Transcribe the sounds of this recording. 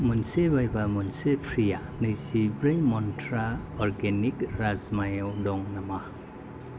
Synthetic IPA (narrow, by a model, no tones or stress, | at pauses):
munsebajbamunsepʰɾijanɯjzibɾajmɔntʰɾaɔɾɡenikɾazmajawdɔŋnama